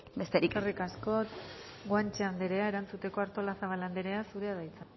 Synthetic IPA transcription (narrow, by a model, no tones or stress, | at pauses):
best̪eɾikrikasko̞t̪ɡwant͡ʃeand̪eɾe̞ae̞ɾant͡sut̪e̞ko̞aɾt̪o̞lasaβaland̪eɾe̞asuɾe̞aðajt͡sa